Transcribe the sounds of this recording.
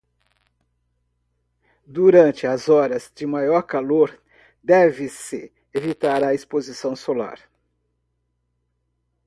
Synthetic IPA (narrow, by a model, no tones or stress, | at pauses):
d̪uɾɐ̃nt͡ʃɪɐzɔɾɐzd͡ʒɪmajɔɾkaloɾ | d̪ɛvɪsɪ | evit̪aɾɐespozisɐ̃w̃sola̰ɾ